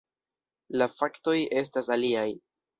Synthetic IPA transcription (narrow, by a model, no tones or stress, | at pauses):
lafakto̞je̞s̬tasaliaj